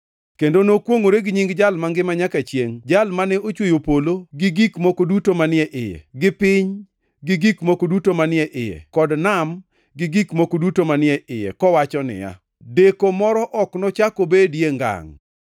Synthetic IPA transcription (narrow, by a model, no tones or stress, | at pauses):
kendonokwoŋoɾeɡɲiŋɡd͡ʒalmaŋɡɪmaɲakat͡ʃjeŋd͡ʒalmanɛot͡ʃwojopoloɡɪɡikmokodutomanɪɛʔɪjɛ̰ɡɪpɪɲ | ɡɪɡikmokodutomanɪɛʔɪjɛ̰kɔdnam | ɡɪɡikmokodutomanɪɛʔɪjɛ̰kɔwat͡ʃɔnɪ̰ja̰ | dekomɔɾɔʔɔknɔt͡ʃakobedjeŋɡa̰ŋ